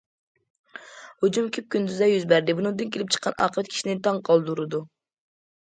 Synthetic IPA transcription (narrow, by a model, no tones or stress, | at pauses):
hod͡ʒumkʲʰyp̚kʲynd̪yzd̪ɛjyzbæɾd̪ɪbunɨŋd̪ɨnkʲelɪp̚t͡ʃʰə̥qʰːɑnʔɑ̰qʰɾt̪̚kʲʰi̥ʃinɪt̪ʰɑŋqʰɑlˠd̪uɾɨd̪u